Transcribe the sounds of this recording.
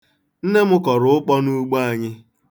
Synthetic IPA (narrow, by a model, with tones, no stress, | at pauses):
n̩˦ne˦mʊ˦kɔ˨ɾʊ˨ʊ˦k͡pɔ˦nu˦ɡ͡ba˦˨ɲɪ˦